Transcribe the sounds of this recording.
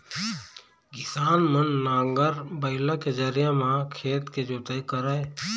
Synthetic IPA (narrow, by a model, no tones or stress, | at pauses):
ɡɪsaːnmənːãːŋɡəɾbəɪlãked͡ʒəɾɪjamãkʰeːt̪ked͡ʒoːt̪əikəɾae